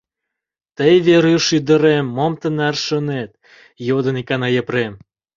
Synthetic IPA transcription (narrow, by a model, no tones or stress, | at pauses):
t̪əjβeɾyʃyd̪ə̆ɾemːomt̪ənærʃə̆net̪̚ | jod̪ə̆nikɑnɑjə̆pɾem